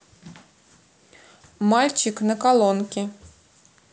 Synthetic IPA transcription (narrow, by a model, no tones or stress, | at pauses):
malʲt͡ɕɪknəkalˠonkʲɪ